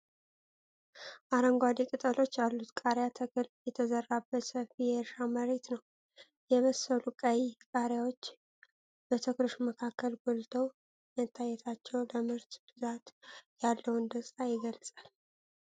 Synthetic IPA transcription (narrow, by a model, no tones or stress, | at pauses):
ʔaɾəŋɡʷwad̪ikʼɨt̪ʼəlo̞t͡ʃːjalːut̪kʼaɾjat̪ʰəkɨljɛt̪ʰəzərːabːət̪səfijɛɾʃaməɾe̞t̪nəw | jɛβəsːəlukʼajkʼaɾjawo̞t͡ʃː | bət̪ʰəklɨʃməkʰakːəlɡolt̪ʰəw | mət̪ʰːajːɛt̪ʰat͡ʃːɛwləmɨɾt̪b̥ɨzat̪jalːəwɨnd̪əsʼt̪ajɪɡəlsʼal